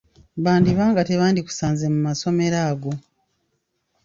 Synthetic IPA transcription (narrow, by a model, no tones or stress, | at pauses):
βaːndiβaːŋɡate̞βaːndiku̥saːnze̞mumaso̞me̞ɾaːɡo̞